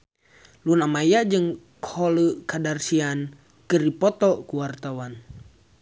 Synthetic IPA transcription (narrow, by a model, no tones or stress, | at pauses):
lunamajad͡ʒɨŋ | khɔləkadarsian | kɨripɔt̪ɔkuwart̪awan